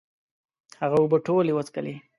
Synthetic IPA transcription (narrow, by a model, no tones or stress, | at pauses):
haɣawubəʈolewət͡skəle